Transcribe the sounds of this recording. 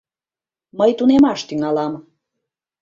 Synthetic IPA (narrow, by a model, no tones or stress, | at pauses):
məjt̪unemɑʃt̪yŋɑlɑm